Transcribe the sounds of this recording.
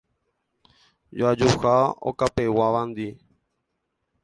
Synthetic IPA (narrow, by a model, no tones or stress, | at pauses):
joad͡ʒuhao̰kapewaʋãnd̪i